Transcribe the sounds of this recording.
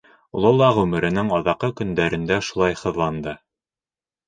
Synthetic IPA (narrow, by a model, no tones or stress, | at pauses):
ulˠɤlˠɑʁʉmɘ̆ɾɘ̆nɘŋɑðɑqɤkɵ̆nd̪æɾɘ̆nd̪æʃulˠɑjhɤ̆ðlˠɑnd̪ɤ